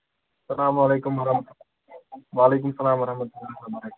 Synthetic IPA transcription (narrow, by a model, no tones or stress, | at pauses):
sɐlaːmɐleːkʊmɐɾɐ | ʋaːleːk̬ʊmsɐlaːmɐɾɐhmɐt̪ulːɐlabɐɾɐk